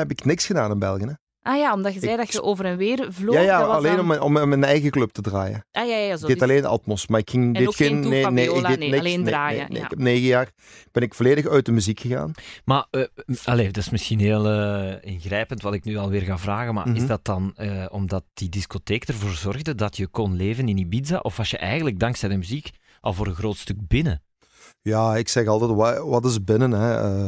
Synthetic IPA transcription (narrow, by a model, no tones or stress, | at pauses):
hɛpɪknɪksxədaːnɪnbɛ̰lˠɣənə | ʔajaːɔmdɑxəzɛːdɑəʔoːvəɾɛnʋeːrvlojaːjaːɑleːnɔmɔmmːɛnɛjɣəklɵp̚tədra̰ːjə̰ʔajaaaɪdetɑleːnɑ̰tmɔsmaːɪkxɪŋddɪokɪnneːneːɪɡdenɪlːaːnḛːnḛːɪ̰kɛp̚neːɣəjaːr | b̥ɛnɪkfoleːdəxœɥt̚dəmyzikxəɣa̰ːnmaɑleːdɑsmɪsxinɦeːlˠəːɪnɣrɛːpəntʋɑtɪknyːɑlˠʋɪːrɣaːvraːɣənma̰rɪzdɑtɑnəɔmdɑt̚d̥idiskoteːkdərvoːrzɔrɣdədɑtjəkɔnleːvənɪnibidza̰ʔɔfɑlsjəʔɛjɣəndləɡ̚dɑŋksɛjdəmyzik | ʔɑ̰lˠvoːɾənɣroːtstɵk̚bɪnə | jaːɪksɛxɑlˠtɛtwaʋɑtɪzbɪnənɦɛə